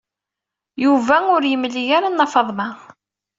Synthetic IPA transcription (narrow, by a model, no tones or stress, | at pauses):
juvæʊɾjəmːlːijaɾanːɑfɑðˤmɑʁ